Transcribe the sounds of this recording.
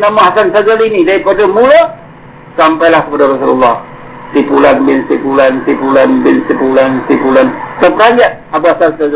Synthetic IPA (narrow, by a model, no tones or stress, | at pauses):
namaɦasansazalinidaɾipadamula | sampajlahkəpadaɾɔsulṵlːɑh | sipulanbɪnsipulansipulanbɪnsipulansipulantəp̚kaɲd͡ʒaʔ | abaasansaz